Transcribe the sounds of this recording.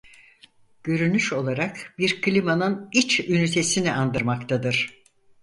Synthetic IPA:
ɟ̥ø̞ɾynyʃo̞lˠaɾakbiɾkʰlʲimanɯnit͡ʃynyt̪ʰe̞siniʔand̪ɯɾmakt̪ʰad̪ɯɾ̥

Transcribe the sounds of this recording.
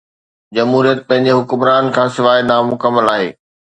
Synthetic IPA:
d͡ʑɐmɦuːɾijət̪̚pɐ̃ɦɪ̃ɲ̆d͡ʑeɦʊkʊmɾaːnkʰãːsɪʋaːinaːmʊkəmːəlaːɦḛː

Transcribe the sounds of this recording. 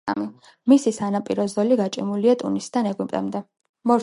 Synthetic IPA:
ami | misisanapʼiɾɔzɔliɡat͡ʃʼimuliat̪ʼṵnisd̪anɛɡimpʼt̪ʼɛ̰md̪ɛ | mɔɾ

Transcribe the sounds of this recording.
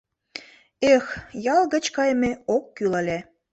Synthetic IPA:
exjɑlɣə̆t͡ɕkɑjmeokːylɑlʲæ

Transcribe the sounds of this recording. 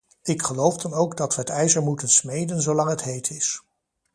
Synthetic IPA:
ɪkχəlowfdɑnowɡdɑtʋəɦətɛjzəɹmutənsmejdənzowlɑŋɦətɦejtʰɪs

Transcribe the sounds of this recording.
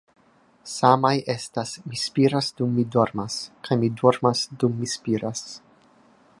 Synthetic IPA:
samajʔestasmispiɾasdumːidoɾmaskajmidoɾmasdumːispiɾʔas

